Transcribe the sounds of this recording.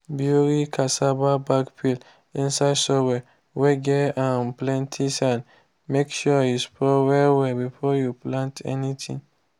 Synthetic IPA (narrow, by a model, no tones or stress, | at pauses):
bjuɹikʰasababakpʰil | ĩnsaɪdsɔwɛ | wɛɡɛãnplɛ̃ntʰisãn | mekʃɔjuspʰɔwɛwɛbifɔjuplãntɛ̰nitʰĩŋ